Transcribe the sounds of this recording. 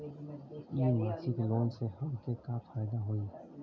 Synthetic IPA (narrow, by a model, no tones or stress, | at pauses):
jiːmaːsɪkloːnsehɐmkekafʰaːjd̪aɦoːiː